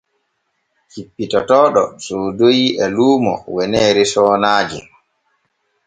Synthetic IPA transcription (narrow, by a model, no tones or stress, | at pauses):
hipːitɔtɔːɗɔsodojiʔɛluːmɔ̰wɛnɛːɾisɔːnaːd͡ʒḭ